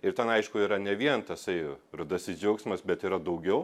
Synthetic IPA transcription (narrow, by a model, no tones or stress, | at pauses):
ɪɾt̪ʲɛnɐɪʃkʊiːɾɐnʲɛʋʲiɛnt̪ɐsɐɪrʊd̪ɐsɪzd͡ʒʲɛʊksʲmɐsbʲɛt̪iːɾɐd̪ɐʊɡʲɛʊ